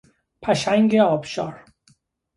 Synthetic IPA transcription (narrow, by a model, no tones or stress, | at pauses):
pʰæʃæŋɟeɒːbʃɒːɾ